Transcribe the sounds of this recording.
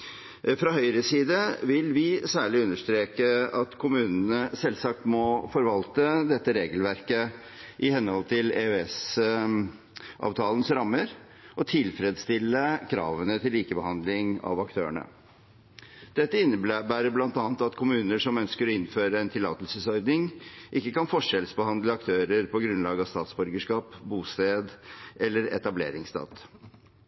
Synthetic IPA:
fɾɑhœʏɾəsiːd̪əʋɪlʋɪsæːɭɪʉnːəʂt̪ɾeːkəɑt̪kʰʊmʉːnnəsɛlsɑk̚t̪mɔfɔɾʋɑlt̪əd̪ɛt̪ːəɾeːɡəlʋæɾkə | ʔɪhɛnhɔlt̪ʰɪleøɛs | ʔɑ̰ːʋt̪ʰɑːln̩sɾɑmːəɾ | ɔt̪ʰɪlfɾeːd̪st̪ɪlːəkʰɾɑ̰ːʋənət̪ʰɪlːiːkəbəhɑnd̪lɪŋɑ̰ʋɑkt̪ʰø̰ːəɳə̰ | d̪̥ɛt̪ːəɪnːəbbæːɾəblɑnt̪ɑːnt̪ɑt̪kʰʊmʉːnəʂɔmœnskəɾɔɪnføːɾəɛnt̪ʰɪlɑ̰ːt̪əlsəsɔɾd̪nɪŋʔɪkːəkɑnfɔʂɛlsbəhɑnd̪ləɑkt̪ʰøːɾəɾpʰɔɡɾʉnlɑːɡɑst̪ɑːt̪sbœɾɡəʂkɑːpbuːst̪eːd̪ʔɛlːəɾɛ̰t̪ɑblḛːɾɪŋst̪ɑ̰ːt̪

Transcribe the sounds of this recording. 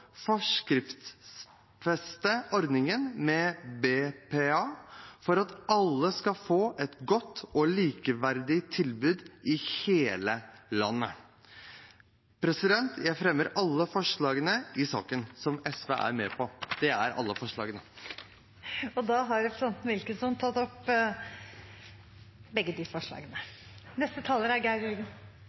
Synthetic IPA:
fɔʂkɾɪft̪ss | fɛst̪əɔɾd̪nɪŋənmɛbeːpʰeːɑːfɔɾɑt̪ɑlːəskɑfoːʔɛt̪ɡɔt̪ʰːɔliːkəʋæɾd̪ɪt̪ʰɪlbʉːd̪ɪheːləlɑ̰nːə | pʰɾɛsɪd̪ɛnt̪jæɪfɾɛmːəɾɑlːəfɔʂɭɑːɡənəɪsɑ̰ːkənsɔmɛsʋḛʔæ̰ɾmɛːpʰɔd̪̥ɛæɾɑ̰lːəfɔʂɭɑ̰ːɡənə | ɔd̪ɑːɦɑɾɛpɾəsɛnt̪mɪlkənsɔmt̪ʰɑt̪ːɔp | bɛɡːəd̪ɪfɔʂlɑ̰ːɡənənɛst̪ət̪ʰɑːləɾæɾɡæɪɾʉɾɡən

